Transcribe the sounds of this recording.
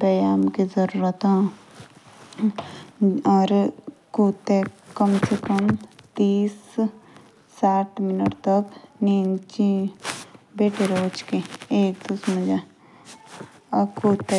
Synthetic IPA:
bɐjaːmkizɐɾuːɾət̪ɦã | ɔːɾkuːt̪ːekɐmsekɐmt̪iːs | aːʈʰmɪnəʈt̪ɐkniːnt͡ʃi | beːʈʰeɾoːt͡ʃkeeːk̚d̪usmə̃d͡ʒa | kuːt̪e

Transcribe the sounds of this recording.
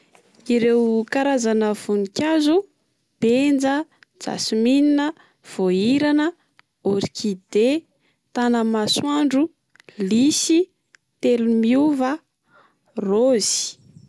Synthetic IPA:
iɾewkaɾazanəv̥unikʲazu | b̥end͡zə | d͡za̰simininə | v̥oiɾanə | oɾikʰid̪̥e | t̪anəmaswaɳɖ͡ʐu | lisi | t̪elumiuvə | roz̥i̥

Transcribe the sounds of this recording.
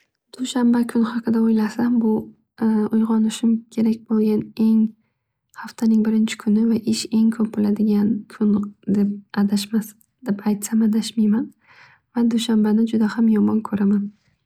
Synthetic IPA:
d̪̥ʊʃambakʰʊnhɑqʰɨd̪aojlasambʊ | ʊjʁɒnɪʃɪmkʲʰe̞ɾakʲbolˠɡʲane̞ŋ | haft̪ʰanɪŋbɪɾɪnt͡ʃʰɪ̥kʰʊnɪvaʔɪʃe̞ŋkʰɵpɪlad̪ɪɡʲankʰʊnd̪e̞p̚ad̪aʃmas | d̪̥epajt̪samad̪aʃmijman | vad̪ʊʃambanɪd͡ʒʊd̪ahamjɒmɒnkʰɵɾaman

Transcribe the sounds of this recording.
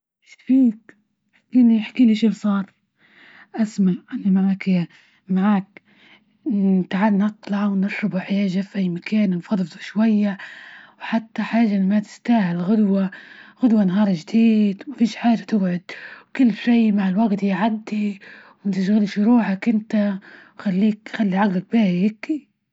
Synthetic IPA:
ʃfiːk̚ | ħḁkiːniħḁkiːniʃiːbsˤɑːɾˤ | ʔasmaʕʔanːamaʕaːk | maʕaːk̚ | ɪt̪aʕad̪nɨt̪ˤlɑʕwnɪʃɾɑbuħɪjaːʒafʔajːmakaːnnfɑd̪ˤfd̪ˤuʃwajːawħat̪ːaħaːʒaʔnmat̪ɪ̥st̪aːhɪlɣʊd̪waɣʊd̪wanaɦɑːɾˤʒd̪iːd̪wmafiːʃħaːʒat̪ɪbʕʊd̪̚wkɪlːʃiːmaʕɪlwaɡt̪jiʕad̪ːiwmat̪ɪʃ̬ɣɪlʃɾuːħakʔɪnt̪awxalːiːk̚xalːiʕaɡlak̚baːhɪkːi

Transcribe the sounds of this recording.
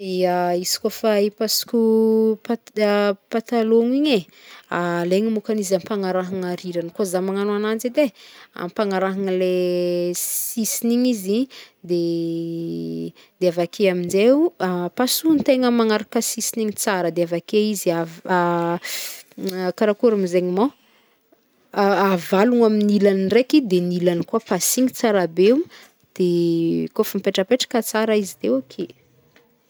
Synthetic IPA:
iaizi̥kofaipasu̥kʲupa | pat̪aloŋiɲe | aleŋimukanizampaŋaɾaɦaŋaɾiɾankozamaŋanuanand͡zid̪ea̰mpaŋaɾaɦaŋle | sisiniɲizi | d̪e | d̪eavakʰeamind͡ʒeapasunt̪eŋəmaŋaɾakəsisiniɲit͡saɾəd̪eavakeiziaa | kaɾakuɾamizeɲimo | avaluŋaminilanirekid̪enilanikuapasiŋit͡saɾabeu | d̪̥ekofəmipeʈ͡ʂəpeʈ͡ʂḁkət͡saɾaizid̪eokʰe

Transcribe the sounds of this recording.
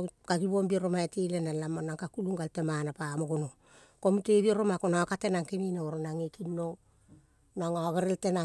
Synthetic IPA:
kaɡiβombieɾomaetilenalamonaŋkakuluŋɡaltemanapamoɡono | komiteβieɾomakonakatenaŋkemineoɾonaŋekino | naŋaβeɾeltena

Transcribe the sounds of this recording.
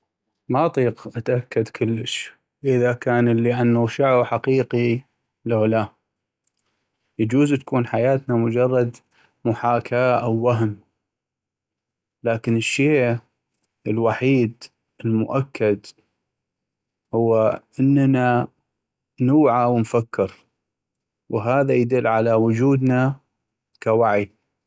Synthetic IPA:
maʔɑt̪ˤiːqʔat̪ʔakːad̪kʰʊlːəʃ | ʔɪðakaːnəlːiʔanːawʃaʕbħaqiːqi | lawla | jad͡ʒuːzt̪ḁkuːnħajaːt̪namʊd͡ʒɑrˤːɑd̪ | mʊħaːkʰaːʔawːaɦm | laːkɪnɪʃːeː | ɪlwaħiːd̪ | ɪlmʊʔakːad̪ | hʊwːaʔənːna | nuːʕawənfakːɪɾ | wɦaːðajad̪ʊlːʕalawʊd͡ʒuːd̪na | kawaʕi

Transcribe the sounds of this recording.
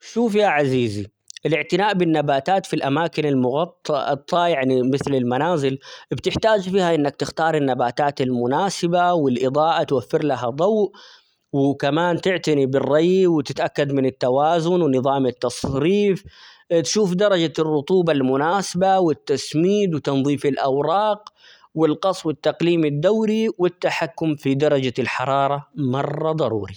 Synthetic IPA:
ʃuːfjaʕaziːzi | ʔɪlɪʕt̪ɪnaːʔbɪnːabaːt̪aːt̪filʔamaːkɪnɪlmʊɣɑt̪ˤːʔt̪ˤːɑːjaʕnimɪθlɪlmanaːzɪlbt̪ɪħt̪aːd͡ʒfiːhaʔɪnːak̚t̪ɪxt̪ɑːɾˤɪnːabaːt̪aːt̪ɪlmʊnaːsɪbawɪlʔɪd̪ˤɑːʔat̪wafːɪɾlaɦad̪ˤɑwʔ | wɪkamaːnt̪ɪʕt̪anibɪrˤːɑjwɪt̪ɪt̪ʔakːad̪mɪnɪt̪ːawaːzʊnwɪnɨðˤɑːmɪt̪ːɑsˤɾiːf | t̪ʃuːfd̪ɑɾˤɑd͡ʒarˤːʊt̪ˤuːbɑlmʊnaːsɪbawɪt̪ːasmiːd̪wɪt̪ɑnðˤiːfɪlʔɑwɾˤɑːq | wɪlqɑsˤwɪt̪ːaqliːmɪd̪ːawɾiwɪt̪ːaħakːʊmfid̪ɑɾˤɑd͡ʒalħɑɾˤɑːɾˤɑmɑrˤːɑd̪ˤɑɾˤṵːɾi

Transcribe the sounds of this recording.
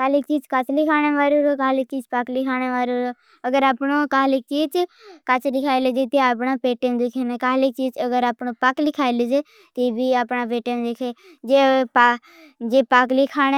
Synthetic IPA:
kaːlɪk̚t͡ʃiːd͡ʒkət͡ʃʰlikʰaːñeːʋaːɾeɾoːkaːlɪk̚t͡ʃiːd͡ʒpaklɪkʰaːñeːʋaːɾeɾoː | əɡəɾaːpnõːkaːlɪk̚t͡ʃiːd͡ʒkət͡ʃʰlikʰaːileːd͡ʒet̪eaːpnaːpeːʈeːnd̪ɪkʰeːneːkaːlɪk̚t͡ʃiːd͡ʒəɡəɾaːpnõːpaklɪkʰaːlid͡ʒeː | t̪eːbiːaːpnaːpeːʈend̪ekʰeː | d͡ʒeːp | d͡ʒeːpaklɪkʰaːne

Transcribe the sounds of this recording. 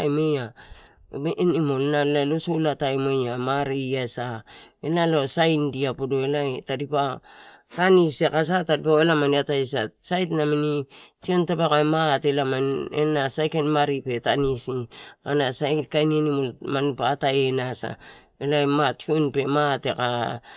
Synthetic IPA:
jmeja | eʔnimolnaalosulatajmejamaɾiasaenalosajndiapodoelatadipa | kanisekas̬atadipaelamaniatajsa̰sajtnaminitiontapekamatelamaḛnasajkenmaɾipe̞tanisianasajtkajnenimolmanipaːtajenasa̰ | elajmationpe̞mateka

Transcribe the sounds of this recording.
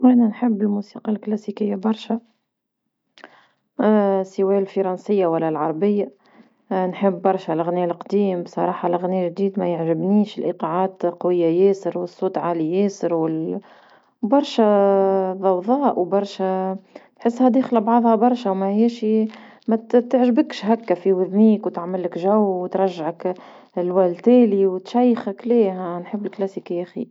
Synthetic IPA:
wænænħəbːɪlmusi̥ːqɑlklæsikɪjːabɑɾˤʃæ | səwɛːlfɑɾˤɑnsɪjːawælːælʕɑɾˤɑbɪjːa | nħəbːɑɾˤʃælɪɣnilqd̪iːmbsˤɑɾˤɑːħɑlɣniʒd̪iːd̪mæjəʕʒɪbniːʃɪlʔiqɑʕaːt̪qɑwɪjːajɛːsəɾwəsˤːut̪ʕalijɛːsəɾwɪl | bɑɾˤʃæ | ðˤɑwðˤɑːʔwbɑɾˤʃæt̪ħɪsːhæd̪exlbʕðˤhɑbɑɾˤʃawmæɛːʃi | mæt̪əʕʒbəkʃɦækːæfiwɪðmiːkwt̪aʕmɪlːɪkʒæwwt̪ɾˤɑʒːʕɪk | lwælt̪æːliwt̪ʃæjːxɪkleːɦænħəbːlklæsikjæxḭ

